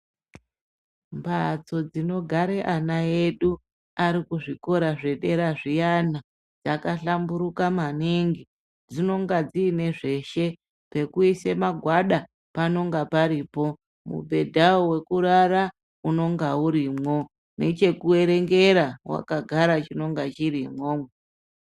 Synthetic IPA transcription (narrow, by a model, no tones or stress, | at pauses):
mbat͡so̞d͡zino̞ɡʱaɾeʔanaeɗu | aɾikuʐiko̞ɾaʐe̞ɗe̞ɾaʐijana | d͡zakaɬambuɾukamaniŋɡi | d͡zino̞ŋɡad͡ziːne̞ʐe̞ʃe̞ | pe̞kuise̞maɡʱwaɗa | pano̞ŋɡapaɾiːpo̞ | mṵbʱe̞dʱaowe̞kuɾara | uno̞ŋɡauɾimwo̞ | ne̞t͡ʃe̞kue̞ɾe̞ŋɡe̞ɾawa̰kaɡʱaɾat͡ʃino̞ŋɡat͡ʃirimwome